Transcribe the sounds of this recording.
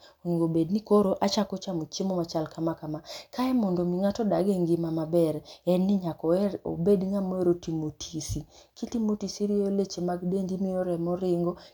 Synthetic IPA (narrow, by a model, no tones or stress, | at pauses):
oɲiŋɡobednikoɾoʔat͡ʃakot͡ʃamot͡ʃemɔmat͡ʃalkamakamakaɛmɔndomiŋatɔdaɡeŋɡimamabɛɾɛnɪɲakɔɛo̰bedŋamoeɾotimotʰisi | kitimotisiɾiolet͡ʃemaɡdendimioɾɛmɔɾɪŋɡɔ